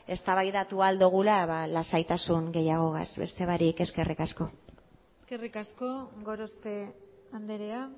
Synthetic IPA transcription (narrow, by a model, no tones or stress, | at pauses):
e̞st̪aβajðat̪uald̪uɣ̞ulaβalasajt̪asuŋɡe̞jaɣ̞o̞ɣa̰sbe̞̰st̪e̞βaɾike̞ske̞rʔikasko̞ | eske̞rikasko̞ɡo̞ɾost̪e̞ | and̪eɾea